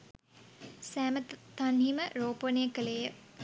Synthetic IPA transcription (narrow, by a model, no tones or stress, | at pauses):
sæːmət̪anhiməɾoːpənejəkəlejə